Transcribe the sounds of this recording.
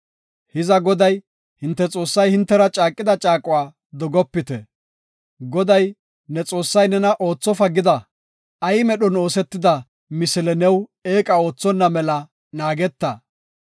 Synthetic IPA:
hɪzɐɡɔd̪ɐj | hɪnt̪ːɛt͡sʼo̞ːsːɐjhɪnt̪ːɛɾɐt͡ʃʼaːkʼːɪd̪ɐt͡ʃʼaːkʼʊwaː | d̪ɔɡɔpːɪt̪ɛ̰ | ɡɔd̪ɐj | nɛt͡sʼo̞ːsːɐjnɛnɐʔo̞ːt͡sːɔfɐɡːɪd̪ɐ | ɐjɪmɛɗɔno̞ːsɛt̪ːɪd̪ɐ | mɪsɪlɛnɛwe̞ːkʼɐo̞ːt͡sːɔnːɐmɛlɐ | naːɡɛt̪ːɐ

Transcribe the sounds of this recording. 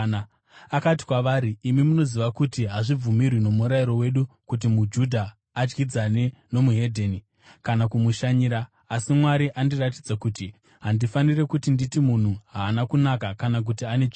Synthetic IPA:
a | akati̥kwaʋaːɾiːmimuno̞ziʋakutiɦaʐib͡vumirwino̞muɾaiɾo̞we̞ɗukut̬imud͡ʒudʱaː | d͡ʒɡid͡zane̞no̞muɦe̞dʱeːni | kanakumuʃaɲiːɾaː | simwaɾiʔandiratid͡zakuːti | ɦandifanire̞kutinditimun̤uɦaːnakunakakanak̬utiane̞t͡ʃi

